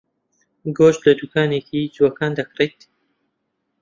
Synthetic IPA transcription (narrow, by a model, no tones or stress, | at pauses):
ɡoʃt̪lɐd̪ukʰaːnekʰid͡ʒwɐkaːnd̪ɐkret̪